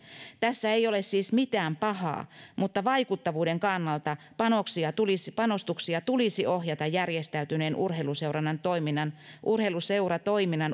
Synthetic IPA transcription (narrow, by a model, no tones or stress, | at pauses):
t̪æsːæeijolessiːsmit̪æːmpɑhɑ̰ːmut̪ːɑʋɑikut̪ːɑʋuːdeŋkɑnːɑlt̪ɑ | pɑnoksiɑt̪ulispɑnost̪uksiɑt̪ulisiʔohjɑt̪ɑjjærjest̪æyt̪yneːnʔṵrɦeluseurɑnːɑnt̪oiminːɑnʔurheluseurɑt̪oiminːɑn